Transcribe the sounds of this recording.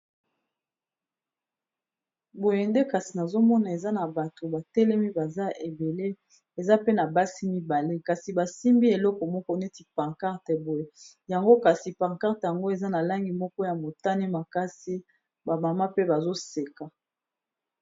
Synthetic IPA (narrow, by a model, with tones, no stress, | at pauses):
bo˨je˨nde˦ka˨si˨na˨zo˦mɔ˦na˨e˨za˦na˨ba˨to˨ba˨tɛ˦lɛ˦mi˦ba˨za˦ʔe˨be˨le˦ | e˨za˦pe˦na˨ba˦si˦mi˨ba˨le˦ka˨si˨ba˨si˦mbi˦e˨lɔ˦kɔ˨mɔ˦kɔ˦ne˦ti˨pa˨ka˦ʁtɛ˨bo˨je˨ | ja˨ŋɡo˦ka˨si˨pa˨ka˦ʁte˨ja˨ŋɡo˦e˨za˦na˨la˦ŋɡi˨mɔ˦kɔ˦ja˨mo˨ta˦ni˦ma˨ka˦si˦ | ba˨ma˨ma˦pe˦ba˨zo˦se˨ka˨